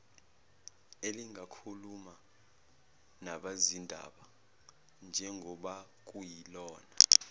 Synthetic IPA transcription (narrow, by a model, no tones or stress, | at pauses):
eliŋʱakʰuluma | naɓazindʱa̰ɓa | nd͡ʒʱɛŋɡʱɔɓa | k̬ʼujilɔːna